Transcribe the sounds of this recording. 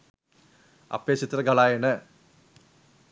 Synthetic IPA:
ɐ̰pːeːɕit̪ːrɐɡɐɭaːjɐnɨ

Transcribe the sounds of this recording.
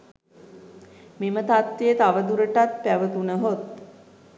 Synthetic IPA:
mimət̪at̪ʋejət̪aʋəd̪uɾəʈat̪̚pæʋət̪unəɦot̪̚

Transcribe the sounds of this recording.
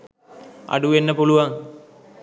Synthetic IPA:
a̰ɖuʋenːəpuluʋaŋ

